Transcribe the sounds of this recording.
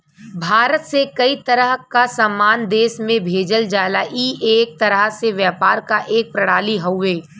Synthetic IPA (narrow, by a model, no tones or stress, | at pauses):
bʱaːɾət̪sekɐit̪ɐɾəɦkasamːaːnd̪eːʃmẽbʱeːd͡ʒəld͡ʒaːlaʔiːeːk̚t̪ɐɾəɦseʋjəːpaːɾkaʔeːk̚pɾɐɽ̤aːliɦɐwʋeː